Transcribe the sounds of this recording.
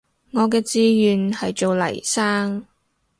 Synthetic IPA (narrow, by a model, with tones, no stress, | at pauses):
ŋɔː˨˧kɛː˧t͡siː˧jyː˨nhɐ˨jt͡ʃo˨wlɐ̰˨˩jsaː˥ŋ